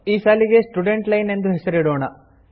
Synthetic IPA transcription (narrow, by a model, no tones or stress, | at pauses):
iːsaːliɡe̞sʈuɖe̞ɳʈlɐjne̞nd̪uɦesɐɾiɽoːɳɐ